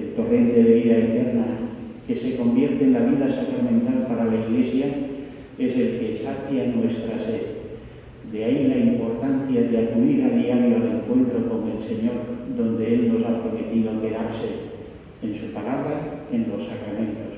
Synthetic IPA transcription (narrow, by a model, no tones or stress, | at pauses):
elt̪o̞re̞nt̪eðeβ̞iðaet̪e̞ɾna | ke̞se̞ko̞mbje̞ɾt̪eːnlaβ̞iðasakɾamẽ̞nt̪alpaɾalaiɣle̞sja | e̞se̞lke̞saθjanwe̞st̪ɾaseð | d̪eailaimpo̞ɾt̪an̟θjaðeakuðiɾaðiaβjoale̞ŋkwe̞nt̪ɾo̞ko̞ŋe̞lse̞ɲo̞ɾðo̞nd̪eelno̞sapɾo̞me̞t̪iðoape̞ɾaɾse̞ː | nsupalaβ̞ɾae̞nlo̞sːakɾamẽ̞nt̪o̞s